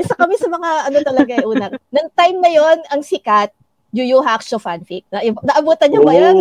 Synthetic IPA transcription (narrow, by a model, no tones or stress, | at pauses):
ʔɪsɐkɐmisɐmɐŋaʔɐnot̪ɐlɐɡaɐʔuːnɐnɐŋt̪ajmnɐjonɐŋsɪkat̪̚ | jʊjuɦakʃofanfik̚nɐnɐʔɐbuːt̪ɐɲɲoŋbɐja